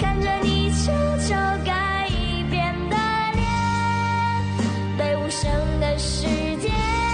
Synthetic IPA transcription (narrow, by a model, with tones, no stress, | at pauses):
kʰa˥˧nʈ͡ʂə˨˩ni˨˩t͡sʰu˥t͡ɕʰjo˧˥ʊka˧˥ɪ | i˧ | pjɛ˨˩nd̪ə˨ | ljɛ˧˥ | p̪e˥˧˩ɪu˧˩ʂə˧˥ŋd̪ə˨ʂɻ̩˧ | t͡ɕjɛ˥˩